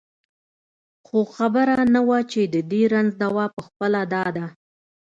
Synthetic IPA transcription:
xoxabəɾanawat͡ʃed̪əd̪eɾanzd̪awɑpəxpəlad̪ɑd̪a

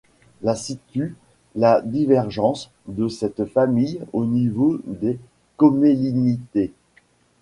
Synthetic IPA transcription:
lasit̪y | lad̪ivɛʁʒɑ̃s | d̪əsɛt̪famijonivod̪e | kɔmelinit̪e

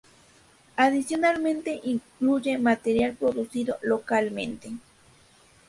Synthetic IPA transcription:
aðisjonalmẽnt̪e̞ʔiŋkluʝemat̪eɾjalpɾoðusiðolokalmḛnt̪e

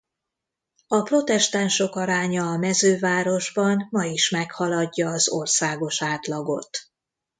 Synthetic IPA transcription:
ɒpro̞t̪ɛʃt̪anʃo̞kɒɾaːɲɒːmɛzøːvaːɾo̞ʒbɒmmɒiʃmɛkhɒlɒɟːɒːzo̞̰rsaːɡo̞ʃaːt̪lɒɡo̞̰t̪

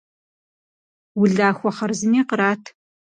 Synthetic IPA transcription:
wʊɮaːxʷɔχɐrzɨniːqəɾaːtʰ

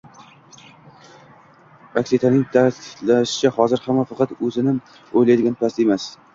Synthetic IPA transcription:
akʲsit̪ʰanɪŋt̪ʰat̪ɪlaʃɪ̥t͡ʃʰahɒzɪɾhamːafɑqʰɑt̪ɵzɪnɪ | ojlajd̪ɪɡʲanpʰast̪e̞mas

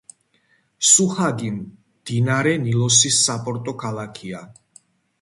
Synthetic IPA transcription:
suhaɡim | d̪̥inaɾɛnilɔsisːapʼɔɾt̪ʼɔkʰalakʰia

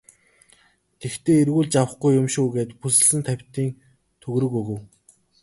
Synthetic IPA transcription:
t̪ʰekt̪ʰeːirɣuːɮt͡ɕawə̆χɡujːʊmʃuːɣeːt̪pusɘ̆ɮɘ̆nt̪ʰæwʲt̪iːŋ | t̪ʰɵɣɾɵ̆kɵɣɵ̆w

